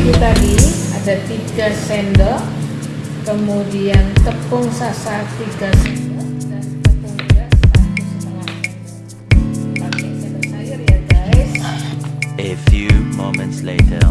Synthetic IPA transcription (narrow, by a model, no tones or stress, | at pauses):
d͡ʒut̪adiad̥a̤t̪iɡ̥a̤sɛndɔ | kəmudiant̪əpʊŋsasat̪iɡ̥a̤sɛndɔdant̪əpʊŋdapadəsətəlata | pampɪŋsɛnd̪ərsajʊrjad̥aɪs | əfjumomə̃ntslḛːtʰə̰